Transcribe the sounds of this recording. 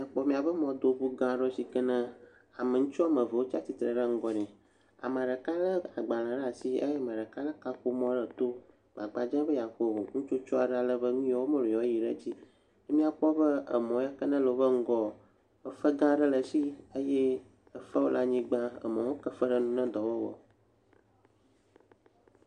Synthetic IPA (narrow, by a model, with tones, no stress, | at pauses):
mĩ˦a˨k͡pɔ˦mĩ˨a˨bə˦mɔ̃˨d̪o˦bu˦ɡã˦ɖə˦si˦kə˦nã˦ | a˨mə̃˨ŋũ˦t͡ʃɔ˦a˦mə̃˨və˨wo˦t͡ʃa˦t̪i˨t̪ɾə˨ɖə˦ŋ̩˦ɡɔ˨nɛ̃˨ | a̰˨mə̃˨ɖə˨ka˦lə˦a˨ɡ͡ba˨lã˨ɖə˦a˨si˦ə̰˦jɛ˦mə̃˨ɖə˨ka˦lə˦ka˦ko˦mɔ̃˦ɖə˨t̪o˦ | ɡ͡ba˨ɡ͡ba˨d͡ʒã˦bə˦ja˨ko˦˨ŋũ˦t͡ʃo˦t͡ʃɔ˦a˨ɖa˨lə˦bə˦ŋũ˦ɔ˨wo˦mə̃˦˨lo˨ɔ˨˦ji˨ɖə̰˦d͡ʑi˦ | ne˦mĩ˦a˦k͡pɔ˦bə˦ə̰˨mɔ̃˨˦a˦kə˦nã˦lo˨bə˦ŋ̩˦ɡɔ˦ | ə˦fə˦ɡã˦ɖə˦lə˨si˦ə˦je˦ | ə˨fə˦wo˦lʔa˦ɲĩ˦ɡ͡bã˦ə̰˨mɔ̃˨wo˦kə˦fə˦ɖə˦nũ˦nɛ̃˦d̪ɔ˨wə˦wɔ̰˨